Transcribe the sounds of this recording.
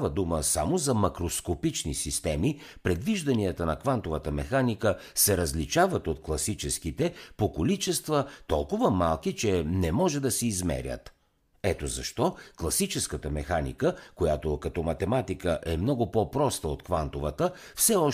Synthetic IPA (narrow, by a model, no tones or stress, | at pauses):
vəd̪uməsamozɐmɐkɾoskopit͡ʃnisist̪ɛmi | pɾɛd̪viʒd̪ɐniət̪ənɐkvant̪ovət̪əmɛxanikəsɛɾɐzlit͡ʃavət̪ot̪klˠɐsit͡ʃɛskit̪ɛpokolit͡ʃɛst̪vət̪ɔlˠkʊvəmalˠk̟it͡ʃɛnɛmɔʒɛd̪ɐsɛizmɛ̰ɾʲə̰t̪ | ɛt̪ozɐʃt̪ɔklˠɐsit͡ʃɛskət̪əmɛxanḭkəkojat̪okɐt̪ɔmɐt̪ɛmat̪ikəʔɛmnɔɡʊpɔpɾɔst̪əot̪kvant̪ovət̪əfsɛɔ